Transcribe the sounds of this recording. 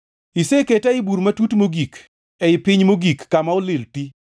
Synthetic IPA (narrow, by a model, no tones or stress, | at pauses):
iseketɛɪbuɾmatutmoɡik | ɛɪpɪɲmoɡikːamaɔlɪlti